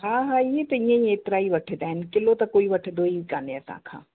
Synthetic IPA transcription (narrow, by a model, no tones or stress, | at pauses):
ɦaːɦaijet̪ɐĩjãjeːt̪ɾaːiʋɐʈʰed̪ɛ̃ːnkɪlot̪ɐkoːiʋɐʈʰed̪oːiikaːnjasa̰ːkʰa̰ː